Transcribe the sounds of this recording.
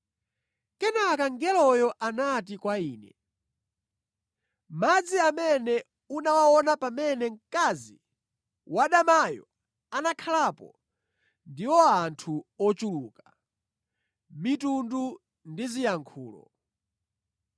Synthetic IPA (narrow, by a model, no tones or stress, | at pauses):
kɛnakaŋɡɛlɔjɔʔanat̬ikwaiːnɛ | mad͡ziamɛnɛ | unawawɔnapamɛnɛŋ̩kazi | waɗamajɔ̰ | anakʰalapɔ̰ | ndiwɔantʰuɔt͡ʃuluːka | mitundu | ndizijaŋkʰuːlɔ̰